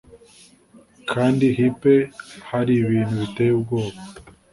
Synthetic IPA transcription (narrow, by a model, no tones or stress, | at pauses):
kʰaːndiɦipe̞haɾiβiːn̤̥huβitejubɡo̞ːβo